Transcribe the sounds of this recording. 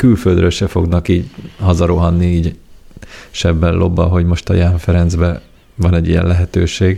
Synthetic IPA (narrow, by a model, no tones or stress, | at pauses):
kylføld̪ɾølʃɛfo̞ɡnɒkiːɟhɒzɒɾoɦɒnːiiːɟ | ʃɛbːɛlːʔo̞bːɒ̰ɦo̞ɟmo̞ʃt̪ɒ̰jaːɱfɛɾɛnd̪zbɛ | vɒnɛɟːijɛ̰lɛɦɛt̪øːʃeːɡ